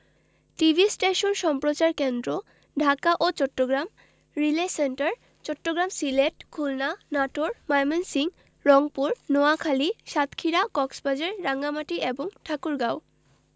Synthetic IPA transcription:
ʈibʱisʈeʃonʃɔmpɾot͡ɕaɾkend̪ɾo | ɖʱakaʔot͡ɕɔʈːoɡɾam | ɾileseɳʈaɾ | t͡ɕɔʈːoɡɾamsileʈkʰulnanaʈoɾmajmensiŋ | ɾɔŋpuɾnoakʰaliʃat̪kʰiɾakɔksbʱad͡ʑaɾːaŋamaʈiʔeboŋʈʰakuɾɡao

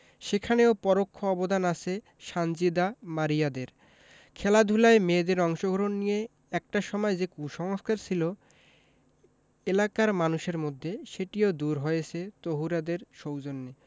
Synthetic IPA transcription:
ʃekʰaneopɔɾokʰːoɔbod̪anat͡ɕʰe | ʃand͡ʑid̪amaɾijad̪eɾ | kʰɛlad̪ʱulaemed̪eɾɔŋʃoɡʱɔɾonːije | ɛk̚ʈaʃɔmɔed͡ʑekuʃɔŋoskaɾt͡ɕʰilo | elakaɾmanuʃeɾmod̪ʱːeʃeʈiod̪uɾɦɔjet͡ɕʰet̪oɦuɾad̪eɾʃowd͡ʑonːe

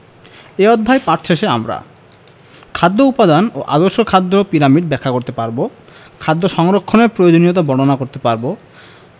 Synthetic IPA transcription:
eɔd̪ʱːajpaʈʰɕʰeʃeamɾa̰ | kʰad̪ːoupad̪anoʔa̰d̪oɾʃoɾkʰad̪ːopiɾamiɖbɛkʰːakoɾt̪epaɾbo | kʰad̪ːoʃɔŋɾokʰːoneɾpɾojod͡ʑonijot̪̬abɔɽonakoɾt̪epaɾbo

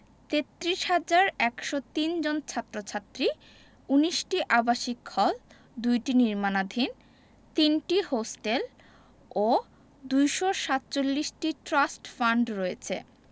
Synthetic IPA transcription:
t̪et̪ːɾiʃhad͡ʑaɾɛkʃot̪ind͡ʑont͡ɕʰat̪ːɾot͡ɕʰat̪ːɾi | uniʃʈiʔabaʃikʰːɔl | d̪ujʈiniɾmanad̪ʱin | t̪inʈihosʈel | o | d̪ujʃoʃat̪̚t͡ɕolːiʃʈiʈɾasʈfaɳɖɾoet͡ɕʰḛ

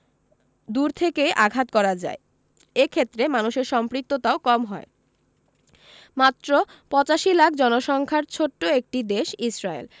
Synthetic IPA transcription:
d̪uɾt̪ʰekeʔaɡʱat̪kɔɾad͡ʑa̰e | ekʰet̪ːɾemanuʃeɾʃɔmpɾik̚t̪ot̪aokɔmɦɔe | mat̪ːɾopɔt͡ɕaʃilakʰd͡ʑɔnoʃɔŋkʰaɾt͡ɕʰoʈːoek̚ʈid̪eʃisɾaḛl

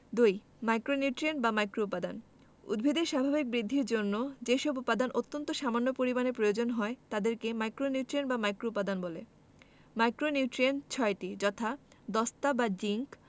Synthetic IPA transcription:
d̪uj | majkɾoniuʈɾienbamajkɾoupːad̪an | ṵd̪bʱid̪eɾʃabʱabik̚bɾid̪ʱːiɾd͡ʑonːod͡ʑeʃɔbupːad̪anʔot̪ːont̪oʃamanːopoɾibaneɾpɾojod͡ʑonɦɔet̪ad̪eɾkemajkɾoniuʈɾienbamajkɾoupːad̪anbole | majkɾoniuʈɾient͡ɕʰɔeʈid͡ʑɔt̪ʰa | d̪ɔst̪abad͡ʑiŋk

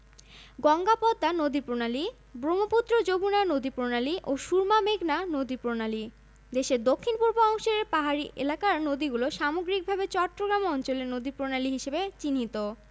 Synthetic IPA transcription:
ɡɔŋɡapɔd̪ːanod̪ipɾonali | bɾomoput̪ːɾod͡ʑobʱunanod̪ipɾonaliʔoʃuɾmameɡnanod̪ipɾonali | d̪eʃeɾd̪okʰːinpuɾboɔŋʃoɾeɾpaɦaɾiʔḛlakaɾnod̪iɡuloʃamoɡɾik̚bʱabet͡ɕɔʈːɾoɡɾamɔnt͡ɕoleɾnod̪ipɾonaliɦiʃebet͡ɕinɦit̪o

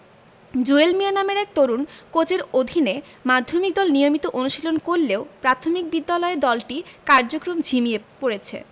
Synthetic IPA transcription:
d͡ʑuelmianameɾɛk̚t̪oɾunkot͡ɕeɾod̪ʱine | mad̪ʱːomik̚d̪ɔlnijomit̪oʔonuʃilonkoɾleopɾat̪ʰomik̚bid̪ːalɔeɾd̪ɔlʈikaɾd͡ʑokɾomd͡ʑʱimiepoɾet͡ɕʰḛ

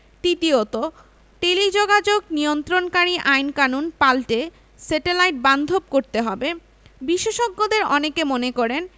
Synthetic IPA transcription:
ʈit̪iot̪o | ʈelid͡ʑoɡad͡ʑoɡniont̪ɾonkaɾiʔajnkanunpalʈe | seʈelajʈ̚band̪ʱob̚koɾt̪eɦɔbe | biʃeʃoɡːod̪eɾɔnekemonekɔɾen

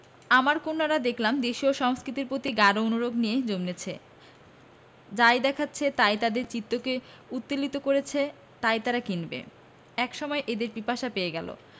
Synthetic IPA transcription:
amaɾkonːaɾad̪ekʰlamd̪eʃioʃɔŋskɾit̪iɾpɾot̪iɡaɾoonuɾoɡnijed͡ʑomnet͡ɕʰe | d͡ʑajd̪ɛkʰatːɕʰet̪ajt̪ad̪eɾt͡ɕit̪ːoke | ut̪ːilit̪okoɾet͡ɕʰe | t̪ajt̪aɾakinbḛ | ɛkʃɔmɔeʔed̪eɾpipaʃapeeɡɛlo̰

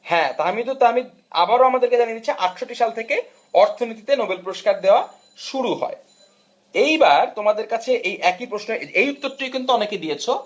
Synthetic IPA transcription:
hɛ̃t̪amit̪ot̪ami | a̰baɾoamad̪eɾked͡ʑaninit͡ɕʰiʔaʈʃoʈːiʃalt̪ʰeke | ɔɾt̪ʰonit̪̬it̪enobelpɾoʃkaɾd̪eoa | ʃuɾuɦɔ̰e | ejbaɾt̪omad̪eɾkat͡ɕʰeʔejʔɛkipɾoʃnoeejut̪ːoɾʈːijkint̪uɔneked̪ijet͡ɕʰo

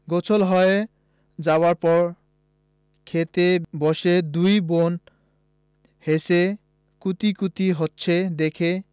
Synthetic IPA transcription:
ɡot͡ɕʰolɦɔe | d͡ʑawaɾpɔɾ | kʰet̪ebɔʃed̪ujbon | hese | kut̪ikut̪iɦotːɕʰed̪ekʰe

